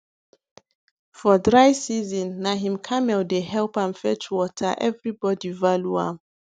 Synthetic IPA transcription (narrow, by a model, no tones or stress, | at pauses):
fɔdɹaɪsizɔ̃nːaɦĩmkʰamɛldehɛlpãnfɛt͡ʃwɔtʰaʔɛvɹibɔdivaluã̰m